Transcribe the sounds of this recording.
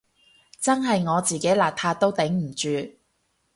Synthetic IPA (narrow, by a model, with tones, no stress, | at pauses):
t͡sɐ˥nɦɐ˨jŋɔː˨˧t͡siː˨ke˨˥jlaː˨p̚t̪ʰaː˧t̪o˥wt̪ɪ˨˥ŋm̩˨˩t͡ʃyː˨˧